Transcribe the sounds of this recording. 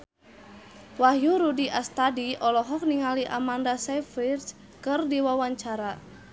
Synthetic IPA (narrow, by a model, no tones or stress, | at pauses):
wahjuɾudiʔast̪adiɔlɔɦɔk̚niŋaliʔa̰mandasafirs | kɨrdiwawaɲt͡ʃaɾa